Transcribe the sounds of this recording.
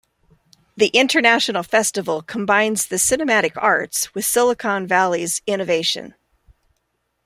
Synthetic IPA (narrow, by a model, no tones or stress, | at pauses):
ðiʔɪ̃ntʰə˞næʃnl̩ˠfɛstəvl̩ˠkʰə̃m̩bãɪ̃nz̥ðɨsɪnɨmæɾɨkɑ̰ɹtswɨð̥sɪlˠəkʰɑ̃nvælˠizɪ̃nɨveɪʃɨ̰̃n